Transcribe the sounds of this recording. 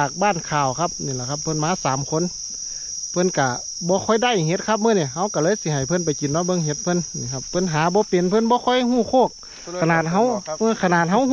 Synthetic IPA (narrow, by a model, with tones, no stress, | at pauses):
aː˨˩k̚baː˧˥˩nkʰaː˨˩wkʰa˧p̚niː˧˩la˧˩kʰa˧p̚ʰːɤ˧˥˨nmaː˧˥˨saː˨˦mkʰo˧˥˨n | pʰɤ˧˥˨nka˧˩ | bɔː˧˦kʰɔ˧˩jda˧˥˩jɦe˧˦t̪̚kʰa˧p̚mɤː˧˥˨ni˧˩ɦa˧˩wka˧˩lɤː˧˥˨jsi˧˦ha˨˩jpʰɤ˧˥˨np̬a˨˩jki˨nːɔ˧˦bɤ˧˥˨ŋɦe˧˦t̪̚pʰɤ˧˥˨nniː˧˩kʰa˧pʰːɤ˧˥˨nɦaː˨˦bɔː˧˦pe˨npʰɤ˧˥˨nbɔː˧˦kʰɔ˧˥˨jhuː˧˥˩kʰoː˧˩k̚ʰː | a˧naː˨˩t̪̚ɦa˧˥wʔːkʰa˧naː˨˩t̪̚ɦa˧˥w